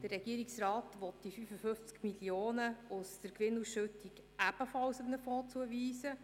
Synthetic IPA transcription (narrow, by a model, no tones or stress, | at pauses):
d̥ərːɛɡ̥iəɾiksrɑːtʋɔt̚d̥ifyfəfɵft͡skmiljoːnəʊst̪əɾkʋɪnːusʃɵtːiɡ | æb̥əfɑlsəmnəfɔːt͡suəʋiːsə